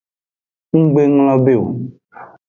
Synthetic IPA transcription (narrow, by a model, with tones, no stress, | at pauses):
ŋ̩˦ɡ͡be˦ŋl̃ɔ̃˦be˦˨wo̰˨